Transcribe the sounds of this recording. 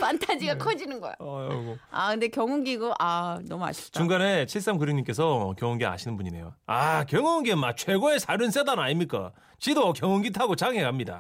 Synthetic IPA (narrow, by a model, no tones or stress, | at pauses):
mantʰad͡ʑiɡakʰʌd͡ʑinɯnɡʌ̰jo̰ʌɡoa̰kɯnde̞kjʌŋuŋɡiɡoʔanʌmua̰ɕʰi̥t͡ɕuŋɡanet͡ɕʰiɭs͈amkɯɾjiŋɲimk͈e̞sʰʌkjʌŋoŋɡea̰ɕʰinɯnbuɲine̞̰joakjʌŋonɡemːak̚t͡ɕʰweɡoesʰaɾjɯns͈edannaɲimɲik͈a̰ | t͡ɕidokjʌŋuŋɡitʰaɡot͡ɕaŋɦekamɲida̰